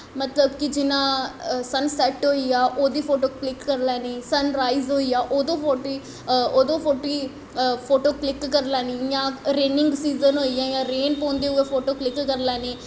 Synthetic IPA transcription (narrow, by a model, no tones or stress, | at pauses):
mət̪ləbkɪd͡ʒɪnãːsənsɛːʈɦoːiːaːʔoːd̪iːpʰoːʈoːklɪkːəɾlɛːneːsənɾaːizɦoːiːaːʔoːd̪õːpʰoːʈiː | oːd̪õːpʰoːʈiː | pʰoːʈoːklɪkːəɾlɛːniːjãːɾeːnɪ̃ŋɡsiːzənɦoːiːjãːjãːɾeːnpɔ̃ːnd̪eːʊeːpʰoːʈoːklɪkːəɾlɛːneː